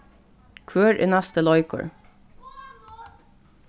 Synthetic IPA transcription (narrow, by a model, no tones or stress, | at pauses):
kʰʋøːɹʔḛːnæst̪əlɔʏkʰə̰ɹ